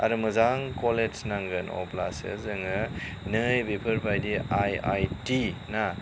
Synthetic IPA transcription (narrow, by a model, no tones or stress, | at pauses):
a̰ɾɯmɯzaŋkoled͡ʒnaŋɡɯnɔ̰pla̰sɯ̰zɯŋɯ | nɯjbepʰɯɾbʰajdiaja̰jtina